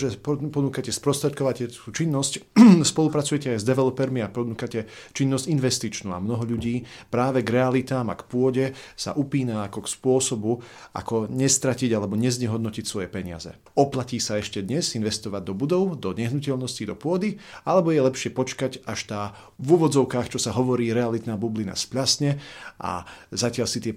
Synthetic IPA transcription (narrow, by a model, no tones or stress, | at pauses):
ʒɛppɔnuːkacɛspɾɔst̪ɾɛt̪̚kɔʋacɛt̪uːt͡ʃinːɔscspɔlˠupɾat͡sujɛcɛajzd̪ɛʋɛlɔpɛɾmiapɔnuːkacɛ | t͡ʃinːɔsɟinʋɛst̪it͡ʃnuːa̰mnɔɦɔʎuɟiːpɾaːʋɛɡɾɛalit̪aːma̰kpʊɔɟɛsa̰ʔupiːnaakɔkspʊɔsɔbua̰kɔɲɛst̪ɾaciɟalɛbɔɲɛzɲɛɦɔd̪nɔcicsʋɔjɛpɛɲɪa̰zɛ̰ | ɔplaciːsaɛʃcɛd̪ɲɛzinʋɛst̪ɔʋaɟ̚d̪ɔbud̪ɔʊd̪ɔɲɛɦnucɛʎnɔscid̪ɔpʊɔd̪ialɛbɔjɛlɛpʃɪɛpɔt͡ʃkaɟaʃt̪aː | vuʋɔd͡zɔʊkaːxt͡ʃɔsaɦɔʋɔɾiːɾɛalit̪naːbublina̰spʎasɲɛʔa̰zacɪaʎsit̪ɪɛ